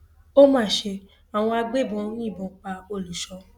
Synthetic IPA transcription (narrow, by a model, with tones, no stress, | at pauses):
o˦mãː˦˨ʃe˧ | a˨w̃ɔ̃˧a˧ɡ͡be˦˨bɔ̃˧˦nĩ˦˨bɔ̃˨˦k͡pa˧o˧˨lu˨˦ʃɔ˧˦